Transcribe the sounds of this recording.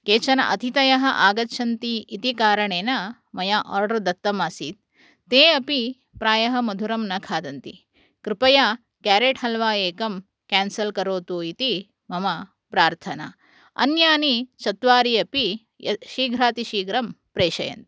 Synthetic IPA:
keːt͡ʃɐnɐ̰ʔɐt̪ʰit̪ɐjɐɦɐʔaːɡɐtːʃʰɐnt̪iit̪ikaːɾɐɳeːnɐ | mɐjaːʔɔːɾɖɐɾd̪ɐt̪ːɐmaːsḭːt̪̚ː | eːɐpi | pɾaːjɐɦɐ̆mɐd̪ʱuɾɐmnɐkʰaːd̪ɐnt̪i | kɾɪpɐja | kaːɾeːʈɦɐlʋaːeːkɐm | kaːnsɐlkɐɾoːt̪uːit̪i | mɐmɐ | pɾaːɾt̪ʰɐna̰ː | ɐ̰njaːnit͡ʃɐt̪ʋaːɾiɐpi | ʃiːɡʱɾaːt̪iʃiːɡɾɐm | pɾeːʃɐjɐ̰nt̪i̥

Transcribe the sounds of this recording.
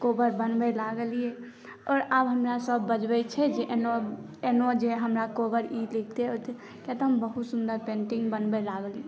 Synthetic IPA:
kobəɾbənbɛlaɡəlije | ɔːɾabɦəmɾasəbːəd͡ʒbɛt͡ʃʰɛd͡ʒeʔeno | enod͡ʒeɦəmɾakobəɾilik̚ʰt̪eot̪ʰ | kat̪ɦəmbəɦut̪sund̪əɾpẽɳʈiŋɡbənbɛlaɡəlie

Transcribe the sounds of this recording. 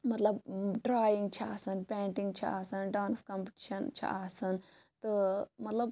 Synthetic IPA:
mɐt̪lɐbɖɾaːjiŋɡ̚t͡ʃʰiaːsɐnpãːʈĩŋɡ̚t͡ʃʰḭa̰ːsɐnɖaːnskɐmpiʈiʃɐnt͡ʃʰḭaːsɐn | t̪ɨmɐt̪lɐb

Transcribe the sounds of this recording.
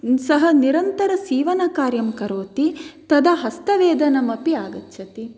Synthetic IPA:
sɐɦɐniɾɐnt̪ɐɾɐsiːʋɐnɐkaːɾjɐmkɐɾoːt̪it̪ɐd̪ɐɦɐst̪ɐʋeːd̪ɐnɐmɐpiaːɡɐt̪ːʃʰɐt̪i

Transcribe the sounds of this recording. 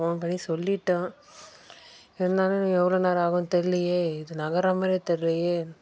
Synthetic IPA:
oːnpɐɳːisɔlːɪʈːɐ̃ | ɪɾɯnd̪aːlɯ̃nːɛʋːɐɭoːnaːɾaːɣʊ̃t̪ɛlːijeːɪðɯnɐɣɐɾaːmɐɾet̪ɛɾɯlɐjeː

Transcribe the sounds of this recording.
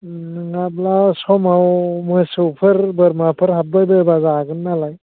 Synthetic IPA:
nɯŋablasɔmawmɯsɯwpʰɯɾbəɾmapʰɯɾɦap̚bɯbɯbazaɡɯnːalaj

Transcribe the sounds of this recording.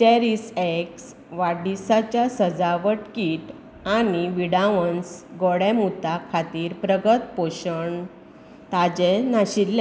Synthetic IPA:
t͡ɕɛɾiseks | ʋaɽisat͡ɕjasəd͡zaʋəʈkiːʈ | aniʋiɽaʋənsɡɔɽɛmut̪akʰat̪iːɾpɾəɡət̪poɕəɳ | t̪ad͡ʑenaɕilːa

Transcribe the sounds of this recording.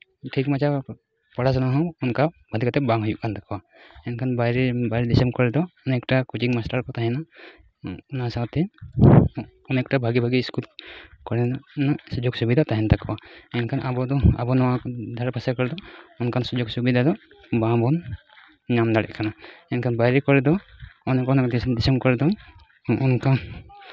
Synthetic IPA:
ʈʰikmad͡ʒa | pɔɽas̬anaɦɔ̃ɔnka | bʱad̪ikat̪ɛbãŋɦujuʔkʰant̪akba | ɛnkʰanbabaɾɛdisɛmkɔɹɛd̪ɔːnɛktakud͡ʒiŋmastaɾkɔt̪aɦɛna | unasat̪ːɛ | ɔnɛk̚tabʱaɡibʱaɡiskulkɔɹɛnasud͡ʒɔɡsubid̪ataɦɛntakbaɛnkʰanʔabɔdɔa̰bɔnɔwakd̪ʱaɹpʰasakɔɹɛdɔɔnkʰansuzɔksubid̪adɔ | bãbɔn | ɲamd̪alɛ̰ʔkʰanaɛnkʰanbajɾɛkɔɹɛdɔɔnɛkɔnɛdisɛmkɔɹɛdɔ | ɔnkʰan

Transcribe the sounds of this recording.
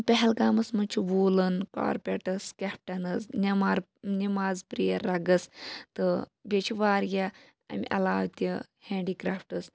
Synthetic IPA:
pʲɐɦɛlkaːmɐsmɐt͡ʃʰiʋuːlɨnka̰ːɾpʲeʈɨskʲep̚ʈɐnɨznɐmaɾ | nimaːzpɾijɐɾːɐɡɐst̪ɨbʲet͡ʃʰiʋaːɾɡʲa | ɐ̰miʔɐlaːwt̪ʲiheːɳɖikɾaːfʈɨs

